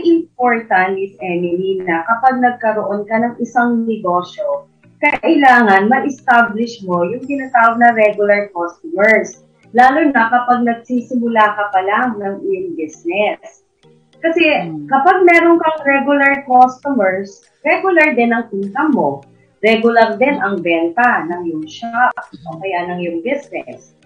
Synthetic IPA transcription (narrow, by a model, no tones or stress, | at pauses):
ɐjʔɪmpoɹt̪ɐnɪsʔɛnɪminɐkɐpaɡ̚nɐɡ̚kɐɾoʔo̞nkɐnɐŋʔɪsaŋnɛɡo̞ːʃjo̞ | kɐʔɪlaːŋɐnmɐɪst̪ablɪʃmo̞jʊŋt̪ɪnaːt̪aːwɐɡ̚nɐɾɛɡjʊlɐɹkost̪omɛɹs | laːlʊnɐkɐpaɡ̚nɐɡ̚sisɪmʊlakɐpɐlaŋnɐŋʔɪjʊŋbɪsnɛs | kɐsɛkɐpaɡ̚mɛːɾonkɐŋɾɛɡjʊlɐɹkost̪ʊmɛɹs | ɾɛɡjʊlɐɹd̪ɛnɐŋpink̪ɐmːo̞ | ɾɛɡʊlɐɾd̪ɛnʔɐŋbɛnt̪ɐnɐŋjʊŋʃaʔokɐjaʔnɐŋjʊŋbɪsnɛs